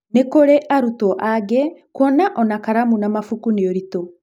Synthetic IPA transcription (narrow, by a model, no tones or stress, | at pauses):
nekoɾeʔaɾutɔʔaɡɛkwɔnaʔɔnakaɾamunamafukuneɔɾito